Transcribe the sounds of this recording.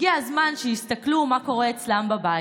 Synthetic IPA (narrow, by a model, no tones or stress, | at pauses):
ɡiazmanʃejist̪aklumako̞ʁeːt͡slambaba